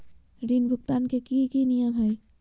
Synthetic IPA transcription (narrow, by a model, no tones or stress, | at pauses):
ɾinbʱuk̚t̪ankekikinijəmɦəj